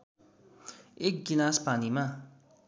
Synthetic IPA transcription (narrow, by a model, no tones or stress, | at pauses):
ek̚ɡilaspanima